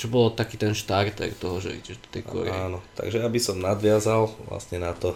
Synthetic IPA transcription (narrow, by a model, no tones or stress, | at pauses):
t͡ʃɔbɔlt̪akiːt̪ɛnʃt̪aɾt̪ɛ̰rt̪ɔɦɔʒɛ̰ɛ̰ɟɛʒd̪ɔ̥t̪ɛjkɔ̰ɾɛaːnɔt̪a̰ɡʒɛabisɔmnad̪ʋɪazalʋla̰st̪ɲɛnat̪ɔ